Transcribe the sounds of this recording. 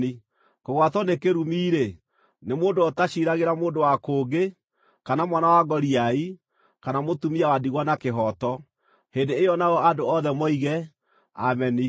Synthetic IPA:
i | koɣwatɔnekeɾumiːɾe | nemoːndoɔtaʃiɾaɣeɾamoːndowakoːɡe | kanamwanawaɡɔɾiai | kanamotumiawadiɣwanakeɦɔtɔ | hendeːjɔnaɔadoɔðɛmɔiɣɛ | a̰mɛni

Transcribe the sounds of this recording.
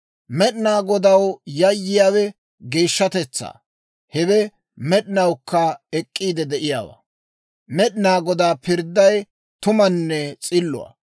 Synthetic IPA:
mɛɗɪnaːɡɔd̪ɐwjɐjːɪjaːwɛ | ɡeːʃːɐt̪ɛt͡sːa̰ː | hɛβɛ | mɛɗɪnɐwkːɐɛkʼːiːd̪ɛd̪ɛʔɪjaːwɐ̰ | mɛɗɪnaːɡɔd̪aːpɪɾd̪ːɐj | t̪ʊmɐnːɛt͡sʼɪlːʊ̰wɐ̰

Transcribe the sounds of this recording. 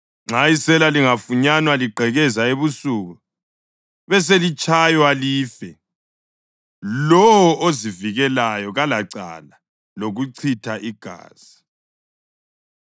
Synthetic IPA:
ŋ͡ǁaisɛlaliŋafuɲanwaliɡ͡ǃʱɛɣɛzaeβusuːɣu | βɛs̬elit͡ʃʼajwaliːfɛ | lɔwwɔoziviɣɛlajɔɣalaǀa̰la | loɣuǀʰitʰaʔiɡ̥ʱa̰ːz̥i

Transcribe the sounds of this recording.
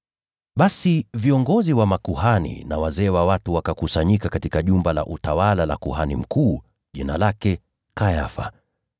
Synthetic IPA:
ɓasiviɔŋɡɔziwamakuhanḭnawazɛːwawatuwakakusaɲikakatikaʄumbala̰ʔutawalalakuhanim̩kuː | ʄina̰lakɛ | kajafa̰

